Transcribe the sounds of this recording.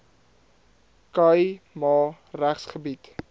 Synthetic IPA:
kəjmɑː | ræχsχəbit

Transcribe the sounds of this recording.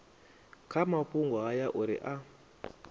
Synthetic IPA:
kʰamapuŋɡɔɦajaʔuɾḭʔa

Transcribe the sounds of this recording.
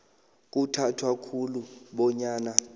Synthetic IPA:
k̬ʼutʰatʰwakʰuluɓɔɲaːna

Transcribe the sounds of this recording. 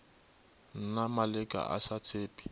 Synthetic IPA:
n̩namalɪkʼa̰ʔa̰sat͡sʰeːpʼi̥

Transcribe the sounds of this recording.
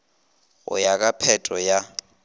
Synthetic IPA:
ɣʊ̰jakʼapʰɛtʼɔja

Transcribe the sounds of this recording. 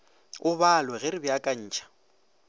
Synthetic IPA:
ʊbalwɛɣɪɾɪbɪakʼaɲ̩ːt͡ʃʰʼḁ

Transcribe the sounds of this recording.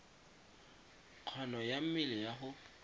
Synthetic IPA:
q͡χʰɔnɔjam̩mɪlɪjaɦʊ

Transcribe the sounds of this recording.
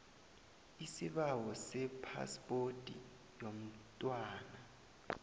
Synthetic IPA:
isiɓawɔsɛpʰa̰spʼotʼḭ | jom̩tʼwaːna

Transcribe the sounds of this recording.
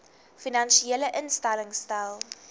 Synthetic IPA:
finɐnʃieːləʔənstɛləŋstalˠ

